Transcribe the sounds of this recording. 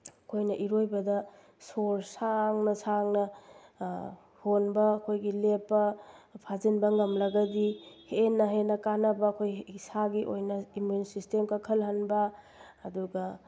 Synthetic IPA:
ɐkʰojnɐʔiɾojbɐdɐ | soɾsaŋnɐsaŋnɐ | honbɐːkʰojɡilepːɐpʰazinbɐŋɐmlɐɡɐdihenːɐɦenɐkanɐbɐːkʰojsaɡiʔojnɐimjunsistemkakʰɐlɦɐnbɐː | duɡɐ

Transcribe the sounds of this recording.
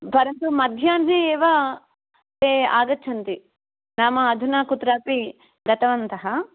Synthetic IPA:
pɐɾɐnt̪umɐd̪ʱjaːnɦeeːʋa | t̪eːaːɡɐt͡ʃʰɐnt̪i | naːmɐːd̪ʱunaːkut̪ɾaːpi | ɡɐt̪ɐʋɐnt̪ɐɦɐ

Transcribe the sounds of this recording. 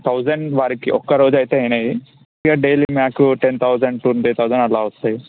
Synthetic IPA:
t̪ʰɐwd͡ʒɐɳɖʋaːɾikiʔɔkːɐɾo̞ːd͡ʒuɐjt̪eːjnɐji | ɡaːɖeːliːmjaːkuʈent̪ʰɐwd͡ʒɐɳɖʈuniːt̪ʰɐwd͡ʒɐɳɐlaːust̪aːji

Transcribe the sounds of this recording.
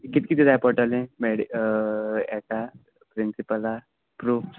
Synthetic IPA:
kit̪̚kit̪id̪aːjpɔɾʈəlɛ̃meɽi | ɛka | pɾɪnsipəla | pɾu

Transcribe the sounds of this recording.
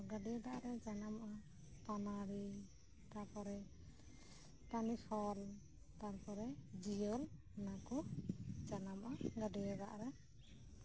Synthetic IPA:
ɡəɖijad̪aʔɾɛd͡ʒanamʔa | p̪anaɾi | t̪aɾpɔɾɛ | p̪anisɔl | t̪aɾpɔɾɛd͡ʒijɔl | nakud͡ʒanamʔaɡəɖijad̪a̰ʔɾɛ

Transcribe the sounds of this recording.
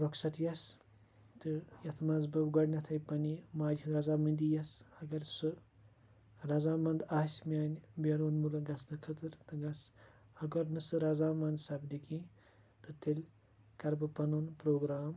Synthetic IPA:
ɾɔksɐt̪jɐs | t̪ɨjɐt̪ʰmazbɐbɡɐɽnʲɐt̪ʰɐjpɐnimaːd͡ʒʱʲiɾɐzaːmɐnd̪ʲijɐsɐɡɐɾsɨ | ɾɐzaːmɐnd̪aːsʲmʲaːnʲbɐɾoːnmulɐɡɐsnɐkʰɐt̪ɨɾt̪ɨɡɐs | ɐɡɐɾnɨsɨɾɐzaːmɐnd̪sɐbd̪iki | t̪ɨt̪elʲ | kɐɾbɐpɐnonpɾoːɡɾaːm

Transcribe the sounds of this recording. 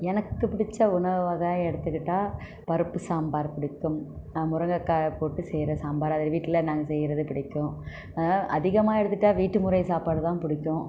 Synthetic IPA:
ɛnɐkːɯpɪɽɪt͡ʃːɐʊnɐʋʋaːɣɐɛɽɯt̪ːɯkːɪʈːaː | pɐɾɯpːɯsaːmbaːɾpɪɽɪkːɯm | mʊɾɐŋɡɐkːaːpoːʈːɯsɛjɾɐsaːmbaːɾɐðɐlɐʋiːʈːɪlɐnaːŋɡɐsɛjːɪɾɐðɯpɪɽɪkːʊ̃ː | aːʔɐðɪɣɐmaːɪɽɯt̪ːɯʈːaːʋiːʈːɯmʊɾɐɪsaːpaːɽɯt̪ãːpɪɽɪkːʊ̃ː

